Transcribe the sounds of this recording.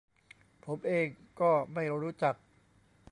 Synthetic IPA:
pʰo˩˦mʔeː˧ŋkɔː˥˩ma˥˩jɾuː˦˥t͡ɕa˨˩k̚

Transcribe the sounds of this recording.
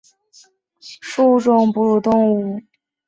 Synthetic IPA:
ʂu˥˧ʈ͡ʂʊ˥˩ŋpu˧˥ɻu˥˩t̪ʊ˥˧ŋu˥˩

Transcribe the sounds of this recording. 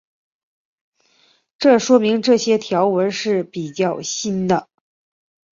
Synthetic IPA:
ʈ͡ʂɤ˥˩ʂwɔ˥mi˧˥ŋʈ͡ʂɤ˥˩ɕjɛ˥t̪ʰjɑ˧˥ʊwə˧˥nʂɻ̩˥˩pi˨˩t͡ɕjɑ˥˩ʊɕi˥nd̪ə˨

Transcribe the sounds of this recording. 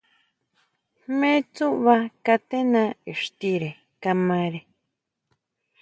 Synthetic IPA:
mẽ˦t͡su˦ʔβa˦ka˧t̪e˦nã˦i˨ʂt̪i˦ɾe˨ | ka˧mã˧ɾe˧

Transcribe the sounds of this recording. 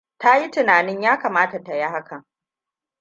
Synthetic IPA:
ta˦ji˦tɪ˨naː˨nɪ˦ɲjaː˦kaː˨maː˦ta˨ta˨ji˦ɦa˦kʰɐ˨ŋ

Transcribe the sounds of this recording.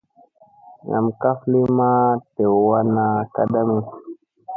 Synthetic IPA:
ŋa̰˨mka˦fli˦ma˦te˨wwa˦na˨ka˦da˦mi˦

